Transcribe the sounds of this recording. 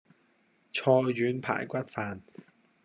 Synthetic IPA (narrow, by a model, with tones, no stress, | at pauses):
t͡ʃʰɔː˧jːyː˨˥npʰa̰ː˨˩jkʷɐ˥t̚faː˨˧n